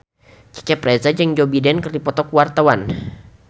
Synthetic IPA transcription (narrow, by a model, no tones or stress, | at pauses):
t͡ʃi̥kɛpɾɛzad͡ʒəŋd͡ʒobidɛnkərdipɔt̪ɔkuwart̪awan